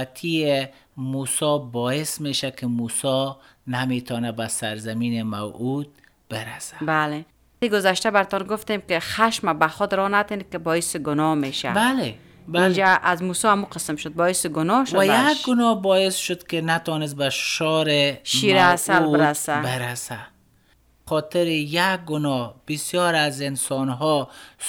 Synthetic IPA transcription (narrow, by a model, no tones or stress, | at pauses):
at̪ʰie | musɔbɔjɪsmeʃakɪmusɔ | namet̪ʰɔnabasaɾzamiːnɪmawud̪̚ | bɪɾasḁbale | iɡʊzaʃtabaɾɪt̪ɔnɡʊft̪emkɪxaʃmabaxʊd̪ɾɔnat̪enkɪbɔjɪsɪɡʊnɔmeʃa̰bale | bid͡ʒaʔazmusɔamuqəsɪmʃʊd̪̚bɔjɪsɪɡʊnɔʃʊajaɡʊnɔbɔɪsʃʊd̪kɪnat̪ɔnɪs̬t̪̚baʃɔɾɪʃiɾasalɪɾasabɪɾasa | xɔt̪ɪɾɪjak̚ɡʊnɔb̥ɪsjɔɾazɪnsɔnɦɔ